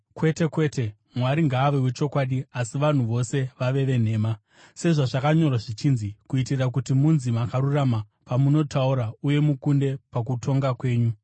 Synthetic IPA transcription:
kwe̞te̞kwe̞ːte̞ | mwaɾiŋɡaːʋewet͡ʃo̞kwaːɗiasiʋan̤uʋo̞se̞ʋaʋe̞ʋe̞n̤e̞ːma | se̞ʐaʐakaɲo̞rwaʐit͡ʃinzikuitirak̬utimunzimakaɾurama | pamuno̞tauɾauje̞mukunde̞pak̬utʰo̞ŋɡakwe̞ːɲu

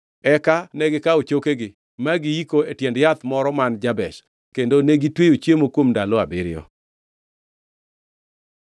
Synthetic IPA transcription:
ɛkanɛɡɪkaot͡ʃokeɡɪ | maɡɪikoetjɛndjat̪mɔɾɔmand͡ʒabɛʃ | kendoneɡitwejot͡ʃjemokwomndaloabɪɾɪjɔ̰

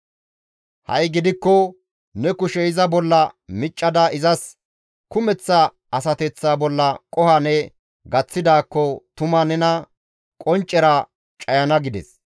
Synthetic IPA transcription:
hɐ̰jɡɪd̪ɪkːɔ | nɛkʊʃɛɪzɐbɔlːɐmɪt͡ʃʼːɐd̪ɐʔɪzɐs | kʊmɛt͡sːɐ | ɐs̬ɐt̪ɛt͡sːaːbɔlːɐkʼɔhɐnɛ | ɡɐt͡sːɪd̪aːkːɔt̪ʊmɐnɛnɐ | kʼɔnt͡ʃʼːɛɾɐ | t͡ʃʼɐjɐnɐɡɪd̪ɛ̰s

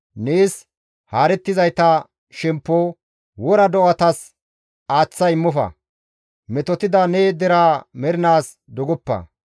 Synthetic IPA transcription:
neːs | haːɾɛt̪ːɪzɐjt̪ɐ | ʃɛmpːo | wɔɾɐd̪ɔʔɐt̪ɐs | aːt͡sːɐɪmːɔfɐ̰ | mɛt̪ɔt̪ɪd̪ɐneːd̪ɛɾaːmɛɾɪnaːs | d̪ɔɡɔpːɐ̰

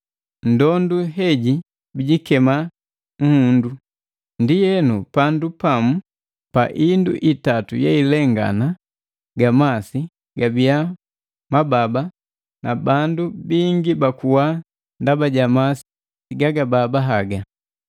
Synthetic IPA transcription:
n̩dɔnduɦɛɟi | biɟikɛma | ŋ̩hundu | ndijɛnupandupamu | paʔindṵʔitatujɛilɛŋɡa̰na | ɡamasi | ɡabia | mababa | nabandubiŋɡibakuwa | ndabaɟamasi̥ | ɡaɡababaɦaɡa

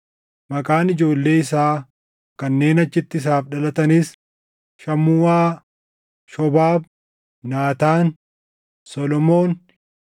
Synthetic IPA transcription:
mɐkʼaːnɪd͡ʒo̞ːlːe̞ːɪs̬aː | kɐnːe̞ːnɐt͡ʃːɪt̪ːɪɪs̬aːfᶑɐlɐt̪ɐniːs | ʃɐmuːwaː | ʃɔbaːb̚ː | aːt̪aːn | sɔlɔmo̞ːn

